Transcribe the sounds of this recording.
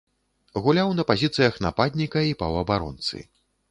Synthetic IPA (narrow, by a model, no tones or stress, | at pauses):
ɣulʲawnɐpazʲit̪sɨjɐxna̰pad̪ʲnʲikɐipɐwɐbaɾɔ̰nt̪sɨ̰